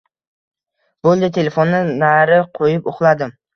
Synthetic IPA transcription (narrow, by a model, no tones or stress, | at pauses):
b̥olˠd̪ɪt̪ʰe̞le̞fonːɪnaɾɪqʰojɪpoχlˠad̪ɪm